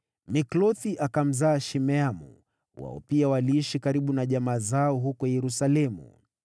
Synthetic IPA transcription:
miklɔθiʔakam̩zaːʃimɛamṵ | wa̰ɔ̰piawaliiʃikaɾiɓunaʄamaːzaɔɦukɔjɛɾusalɛmṵ

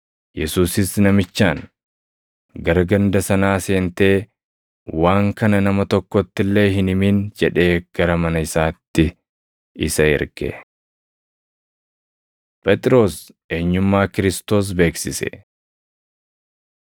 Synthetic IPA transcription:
jɛsuːsɪsnɐmɪt͡ʃːaːŋ | ɡɐɾɐɡɐnd̪ɐsɐnaːse̞ːnt̪e̞ː | waːŋkɐnɐnɐmɐt̪ɔkːɔt̪ːɪlːe̞ːɦɪnɪmiːnd͡ʒɛᶑe̞ːɡ̥ɐɾɐmɐnɐɪsaːt̪ːɪ | ɪsɐɪ̰ɾɡɛ̰ | pʼɛt̪ʼɪɾo̞ːs | ʔe̞ːɲːʊmːaːkɪɾɪst̪o̞ːs̬be̞ːksɪsɛ̰

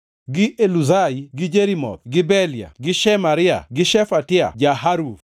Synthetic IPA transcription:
ɡɪʔeluzaiɡɪd͡ʒeɾimɔ̰t̪ɡɪbɛlja̰ɡɪʃɛmaɾɪa̰ɡɪʃɛfatɪa̰d͡ʒaɦaɾuf

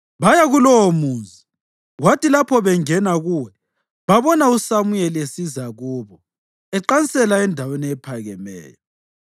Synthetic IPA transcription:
βajaɣulɔwomuːnd͡zʱi | watʰilapʰɔβɛŋɛnaɣuwɛ | βaβɔnausamujɛlesizaɣuːβɔ | ɛǃansɛlaɛndʱaweniɛpʰaɣɛ̰mɛ̰ːjɔ

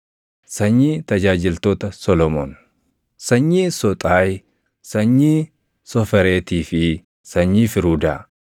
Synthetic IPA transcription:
sɐɲːiːt̪ɐd͡ʒaːd͡ʒɪlt̪oːt̪ɐsɔlɔmɔn | sɐɲːiːsɔt̪ʼaːj | sɐɲːiː | sɔfɛɾeːt̪iːfɪ | sɐɲːiːfɪɾuːd̪aː

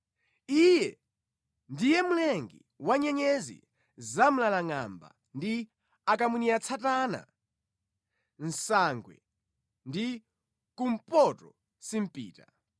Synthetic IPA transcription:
ijɛ | ndijɛmulɛŋɡḭ | waɲɛɲɛzḭ | zam̩lalaŋa̰mba̰ | ndi | akamuniat͡sʰatana̰ | n̩saŋɡwɛ̰ | ndi | kum̩pɔtɔ | sim̩pḭːta

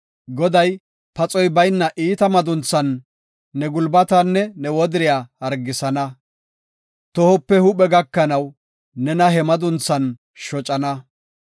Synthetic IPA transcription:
ɡɔd̪ɐj | pɐt͡sʼɔjbɐjnːɐʔiːt̪ɐmɐd̪ʊnt͡sːɐnː | ɛɡʊlbɐt̪ɐnːɛnɛwɔd̪ɪɾɪjaːhɐɾɡɪsɐnɐ | t̪ɔhɔpːɛhʊpɛɡɐkːɐnɐwː | ɛnɐɦɛmɐd̪ʊnt͡sːɐn | ʃɔt͡ʃʼɐnɐ

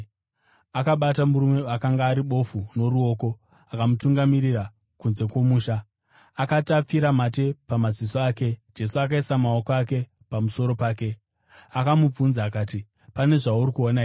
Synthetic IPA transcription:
akaɓatamuɾume̞akaŋɡaːɾiɓo̞funo̞ɾuo̞ːko̞ | akamutuŋɡamiɾira | kunze̞kwo̞muːʃa | akatap͡fiɾamate̞pamazisoaːke̞d͡ʒe̞suak̬aisamao̞koake̞ | pamuso̞ɾo̞paːke̞ | akamub͡vunzaːkaːti | pane̞ʐauɾikuonaɦe

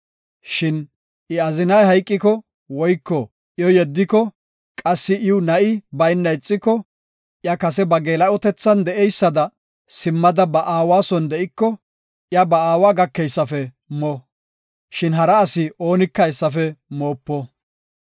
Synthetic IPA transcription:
ʃɪn | ʔɪɐzɪnɐjhɐjkʼːɪkɔ | wɔjkːɔ | jɔjɛd̪ːɪkɔ | kʼɐsːɪʔɪwnɐʔɪbɐjnːɐjt͡sʼːɪkːɔ | ʔjɐkɐsɛbɐɡeːlɐɔt̪ɛt͡sːɐnd̪ɛʔɛjsːɐd̪ɐ | sɪmːɐd̪ɐbɐʔaːwaːsɔnd̪ɛʔɪkːɔ | ʔjɐbɐaːwaːɡɐkːɛjsːɐfɛ | mo | ʃɪnɦɐɾɐːsɪʔo̞ːnɪkːɐjsːɐfɛmo̞ːpːɔ

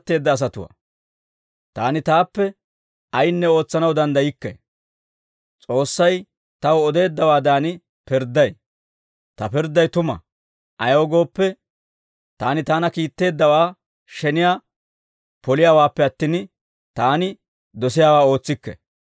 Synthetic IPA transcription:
t̪ːe̞ːd̪ːɐːs̬ɐt̪ʊwa̰ː | t̪aːnɪt̪aːpːɛ | ɐjnːɛo̞ːt͡sːɐnɐwd̪ɐnd̪ɐjɪkːɛ̰ | t͡sʼo̞ːsːɐj | t̪ɐwɔd̪e̞ːd̪ːɐwaːd̪aːnɪ | pɪɾd̪ːɐj | t̪ɐpɪɾd̪ːɐjt̪ʊmɐ̰ | ʔɐjoːɡo̞ːpːɛ | t̪aːnɪt̪aːnɐkiːt̪ːe̞ːd̪ːɐwaː | ʃɛnɪjaː | pɔlɪjaːwaːpːɛɐt̪ːɪn | t̪aːnɪ | d̪ɔsɪjaːwaːo̞ːt͡sːɪkːɛ̰

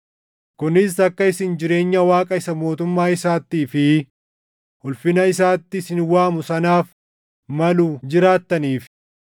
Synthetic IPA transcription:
kʊnɪs̬ɐkːɐɪsɪnd͡ʒɪɾe̞ːɲːɐwaːkʼɐɪsɐmo̞ːt̪ʊmːaːɪsaːt̪ːiːfɪ | hʊlfɪnɐɪsaːt̪ːɪsɪnwaːmʊsɐnaːf | mɐlʊd͡ʒɪɾaːt̪ːɐniːf

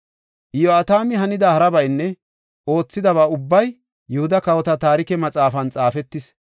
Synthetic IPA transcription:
ʔɪjɔat̪aːmɪɦɐnɪd̪ɐhɐɾɐbɐjnːɛ | o̞ːt͡sːɪd̪ɐβaːʊbːɐj | jʊhʊd̪ɐkɐwɔt̪ɐt̪aːɾɪkɛmɐt͡sʼaːfɐnt͡sʼaːfɛt̪ːɪs

